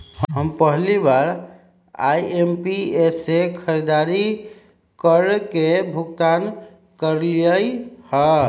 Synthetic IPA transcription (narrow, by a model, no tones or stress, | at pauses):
hɦəmpəɦlibaɾ | a̰iempiesekʰəɾid̪aɾi | kəɾkebʱuɡt̪an | kəɾliəjhə